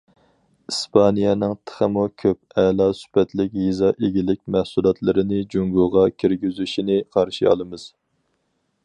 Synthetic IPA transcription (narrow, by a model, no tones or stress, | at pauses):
ispʰɑnijɛnɨŋt̪ʰə̥χəmukʲʰøp̚ɛlˠɑsy̥pɛt̪lɪkʲjizɑʔeɡʲilɪkʲmæhsulˠɑt̪ʰlˠɨɾɪnɪd͡ʒuŋɡuʁɑkʲʰiɾɡʲyzyʃinɪqʰɑɾʃḭɑ̰lˠɨmɨz̥